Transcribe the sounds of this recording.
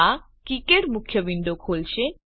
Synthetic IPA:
a | kikeʈmukʰːjəbiɳɖ̪okʰolʃe

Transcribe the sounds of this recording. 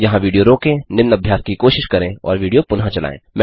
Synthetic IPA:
jɐɦãʋiːɖijoɾoːkẽnɪmnɐbʱjaːskikoːʃɪʃkɐɾẽɔ̰ːɾʋiːɖijopʊnɦãt͡ʃɐla̰ːḛ̃ːmɛ̃

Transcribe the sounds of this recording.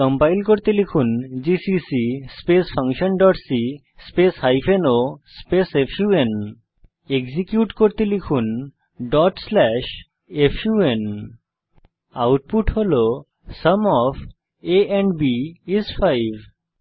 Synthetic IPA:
kəmpajlkoɾt̪elikʰund͡ʑisisispesfʰaŋʃənɖɔʈsi | speshajpʰenospesefʰjuen | eɡzikjuʈkoɾt̪elikʰun | ɖɔʈslɛʃ | efʰjuen | awʈ̚puʈholo | səmɔpʰ | eɛɳɖbiisfʰajbʱ

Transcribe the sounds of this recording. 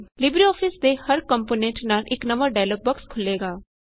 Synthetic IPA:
lɪbɾiɔːpʰɪsd̪eːhəɾkəmpoːnẽːɳʈnaːlʔɪknəməɾɖaːɪloːɡ̚bəkskʰʊlːeːɡaː

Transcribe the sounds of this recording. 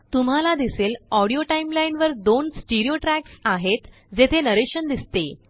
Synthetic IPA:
t̪um̤alad̪iselɔɽijoʈaimlainʋəɾd̪onsʈiɾioʈɾæksaɦet̪ | d͡zet̪ʰenəɾeɕənd̪ist̪e

